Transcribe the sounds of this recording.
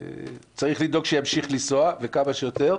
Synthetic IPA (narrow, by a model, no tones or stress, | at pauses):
t͡saʁiχlid̪o̞ɡʃejamʃiχlisoave̞kamaʃejot̪e̞ʁ